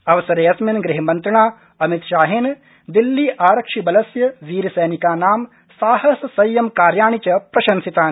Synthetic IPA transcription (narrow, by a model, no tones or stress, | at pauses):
ɐʋɐsɐɾeːɐsminɡɾɪɦɐmɐnt̪ɾɐɳaː | ɐmit̪ʃaːɦeːn | d̪ilːiːʔaːɾɐkʂibɐlɐsjɐʋiːɾɐsɐjːnikaːnaːm | saːɦɐsːɐjjɐmkaːɾjaːɳit͡ʃɐpɾɐʃɐnsit̪aːn